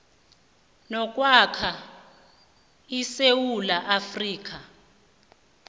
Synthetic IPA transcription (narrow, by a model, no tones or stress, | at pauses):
nɔkʼwakʰa | isewulaʔafriːk̬a